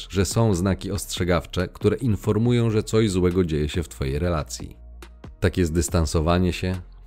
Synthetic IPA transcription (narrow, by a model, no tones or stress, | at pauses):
ʐɛsɔ̃w̃znakʲiɔstʂɛɡaft͡ʂɛkt̪uɾɛʔinfɔɾmujɔ̃w̃ʐɛt̪sɔʑzwɛɡɔd͡ʑejɛɕɛft̪fɔjejɾɛlat̪sʲjḭ | t̪akʲjɛzd̪ɘst̪ansɔvaɲɛɕɛ